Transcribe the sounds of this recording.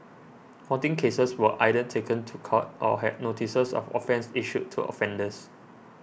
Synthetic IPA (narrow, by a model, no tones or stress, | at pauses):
kʰɔtĩŋkʰesəswəʔaɪdətʰekə̃ntʰukʰɔt̚ʔɔɦɛ̰d̚notʰisəsɔ̰fɔ̰fɛ̃nsiʃutʰːṵɔ̰fɛ̃ndəs